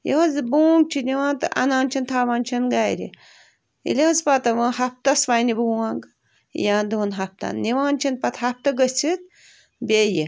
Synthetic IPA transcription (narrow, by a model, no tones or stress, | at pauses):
jiɐzbuːŋɡ̚t͡ʃʰiniʋãːnt̪ɨʔɐ̰nãːnt͡ʃʰint̪ʰaːʋaːnʲt͡ʃʰinɡaːjɾʲḭ | ḭlʲeɐzpɐt̪ɐʋãːhɐp̚t̪ɐsʋajnibuːaŋɡ | jãːnd̪oːnɦɐp̚t̪a̰nniʋãːnt͡ʃʰinpɐt̪ɦɐp̚t̪ɐɡət͡sʰit̪̚ | bʲeji